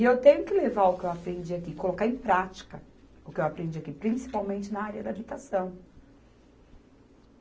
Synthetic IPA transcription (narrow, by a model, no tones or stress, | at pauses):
ɪewt̪ẽɲʊkɪlevaʊkɪewapɾẽnd͡ʒiakikolokaɾẽj̃pɾat͡ʃi̥kɐ | ʊkɪewapɾẽnd͡ʒiakipɾĩsi̥pawmẽnt͡ʃɪnaaɾiɐd̪abit̪asɐ̃w̃